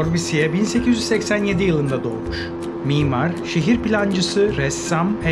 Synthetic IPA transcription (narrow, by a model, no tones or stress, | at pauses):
oɾbisijɛbinse̞cʰizyzsɛcsænje̞d̪ijɯlˠɯnd̪ad̪oːlˠmuʃ | miːmaɾʃeɦiɾpilʲand͡ʒɯsɯɾɛsːamhɛ